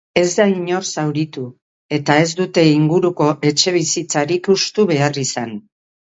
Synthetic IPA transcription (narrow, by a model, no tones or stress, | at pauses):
e̞zd̪aiɲo̞rsawɾit̪u | e̞t̪ae̞zd̪ut̪e̞iŋɡuɾuko̞ʔe̞t͡ʃe̞β̞isit͡saɾikust̪uβe̞arisan